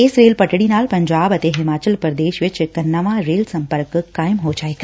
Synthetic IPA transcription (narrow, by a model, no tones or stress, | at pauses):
eːsɾeːlpəʈɽinaːlpɐɲd͡ʒaːbət̪eɦɪmaːt͡ʃəlpɾəd̪eːʃʋɪt͡ʃkənːɐʋãɾeːlsɐ̃mpəɾkkaːjmɦod͡ʒaːeka